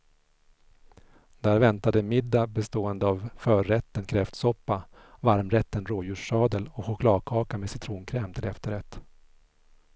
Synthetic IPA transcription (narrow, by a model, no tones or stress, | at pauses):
d̪̥æːɾvɛnt̪ad̪əmɪd̪ːabɛst̪oːɛnd̪əavfœːɾɛt̪ːənkʰɾɛft̪sɔpːavaɾmɾɛt̪ːənɾoːjʉ̟ːʂːɑːd̪əlɔɧʊkʰlɑːd̪̚kʰɑːkamɛsɪt̪ʰɾuːnkʰɾɛːmt̪ʰɪlɛft̪əɾɛt̪ː